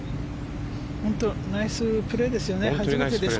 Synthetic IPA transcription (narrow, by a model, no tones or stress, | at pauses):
hõnt̪o̞naisɨpɯ̟ɾe̞d̪e̞sɨjo̞ne̞haʑimet̪e̞d̪e̞s